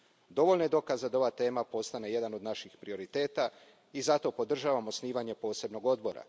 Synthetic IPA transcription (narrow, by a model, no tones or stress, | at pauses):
d̪o̞ʋolneed̪o̞kazed̪ao̞ʋat̪e̞ːmapo̞st̪ane̞je̞d̪ano̞d̪naʃixpɾio̞ɾit̪e̞ːt̪a | izat̪o̞po̞d̪r̩ʒaːʋamosniːʋaɲe̞po̞ːse̞bno̞ɡo̞d̪̚bo̞ɾa̰